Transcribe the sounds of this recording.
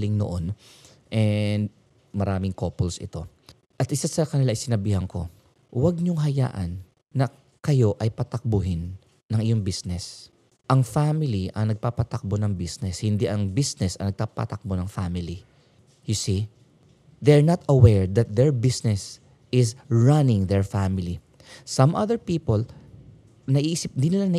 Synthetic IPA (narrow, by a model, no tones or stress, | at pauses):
lɪŋno̰ʔon | ʔɛnd̪ | mɐɾaːmɪŋkoːpolsʔɪ̰t̪o̞ | ʔɐt̪ʔɪsasɐkɐnɪlaʔɪjsɪnɐbiːhɐŋko̞̰ | wɐɡ̚ɲʊŋɦɐja̰ːʔɐ̰nː | ɐ | kɐjo̞ʔɐjpɐt̪ɐk̚bʊɦɪnː | ɐŋʔɪjoŋbisnɛs | ʔɐŋfamɪliʔɐŋnɐɡ̚papɐt̪ɐk̚bonɐŋbisnɛshɪnd̪iʔɐŋbisnɛsɐ̰nɐɡ̚t̪apa̰t̪ɐk̚bonɐŋfamɪli | jʊsi | d̪ɛɹnat̪ɐwɛɹd̪ɐt̪̚d̪ɛɹbɪsnɛs | ʔɪsɹanɪ̃ŋd̪ɛɹfamɪli | sɐmʔaðɛɹpiːpol | nɐʔiʔsɪp̚nd̪inɪlanɐ